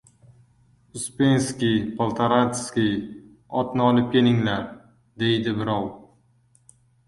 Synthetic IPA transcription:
ʊspe̞nskʲijpʰolˠt̪ʰaɾat̪skʲij | ɒt̪nɪɒlɪp̚kʲʰe̞lɪŋlaɾ | d̪e̞jd̪ɪbɪɾɒw

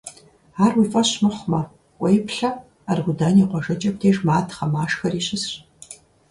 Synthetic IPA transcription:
aːrwiːfʼɐɕmɨχʷmɐ | kʷʼɐjpɬɐ | arɣʷʊdaːniːqʷɔʒɐt͡ʃʼɐp̚tʰeːʒmaːtʰχɐmaːʂxɐriːɕɪsɕ

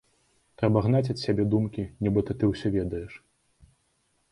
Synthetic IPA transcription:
t̪ɾɛbɐɣn̪at͡sʲɐt̪ʲsʲabʲɛd̪umkʲinʲɛbɨt̪ɐt̪ɨwsʲɔvʲɛd̪ɐjɛʂ

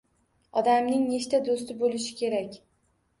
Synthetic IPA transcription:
ɒd̪amnɪŋne̞ʃt̪ad̪ost̪ɪbolɪʃɪ̥kʲʰe̞ɾakʲ

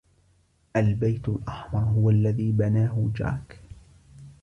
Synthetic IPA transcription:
ʔalbajt̪alʔɑħmɑɾˤɦʊwalːaðiːbanaːɦʊd͡ʒa̰ːk

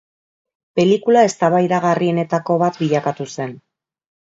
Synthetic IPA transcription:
pe̞likulae̞st̪aβajðaɣarie̞ne̞t̪ako̞βat̪biʎakat̪use̞n

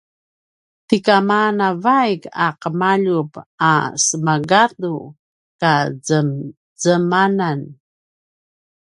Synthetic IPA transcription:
tikamanavajkaqəmaʎupasəmaɡatu | kazə | zəmanan

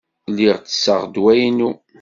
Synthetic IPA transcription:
lːiʁt͡sə̥sːə̰ʁd̪wæjnu

